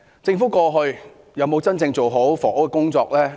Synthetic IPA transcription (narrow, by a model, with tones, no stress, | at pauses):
t͡sɪ˧ŋfu˨˥kɔː˧ɦɵ˧ɥ | jɐ˨˧wmo˨˧wt͡sɐ˥nt͡sɪ˧ŋt͡so˨wɦo˨˥wfɔː˨˩˥wkɛ˨kʊ˥ŋt͡sɔː˧k̚lɛː˥